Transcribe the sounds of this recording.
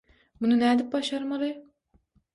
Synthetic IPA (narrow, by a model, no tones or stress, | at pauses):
bunɨnɛd̪ɪp̚bɑʃɑɾmɑlˠɨ